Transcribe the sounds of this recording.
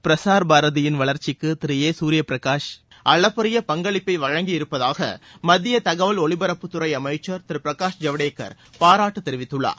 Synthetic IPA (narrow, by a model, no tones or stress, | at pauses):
pɪɾɐsaːɾbaːɾɐðɪjɪnʋɐɭɐɾt͡ʃːɪkːɯt̪ɪɾɪjeːsuːɾɪjɐpɪɾɐkaːʂ | ʔɐɭɐpːɐɾɪjɐpɐŋɡɐɭɪpːɐɪʋɐɻɐŋɡiɪɾɯpːɐðaːɣɐ̰mɐðɪjɐt̪ɐɣɐʋɐlɔɭɪbɐɾɐpːɯt̪ːʊɾɐɪɐmɐɪt͡ʃːɐɾt̪ɪɾɯpɪɾɐkaːʂd͡ʒɐʋɐɽeːkːɐ̰ɾ | paːɾaːʈːɯt̪ːɛɾɪʋɪt̪ːɯɭːa̰ː